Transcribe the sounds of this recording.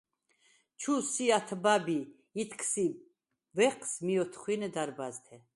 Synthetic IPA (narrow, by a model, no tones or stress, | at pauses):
t͡ʃʰusiat̪ʰbabiː | t̪ʰkʰsi | vɛqsmiɔt̪ʰχwinɛd̪aɾbazt̪ʰɛ